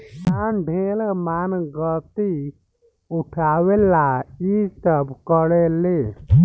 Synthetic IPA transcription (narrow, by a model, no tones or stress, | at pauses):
sanɖʱelmanɡət̪i | uʈʰaʋelaisəbʱkəɽelːe